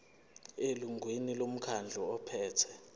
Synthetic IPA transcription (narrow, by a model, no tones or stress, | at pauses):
eluŋɡʱwenilom̩kʰand͡ɮʱɔɔpʰɛːtʰɛ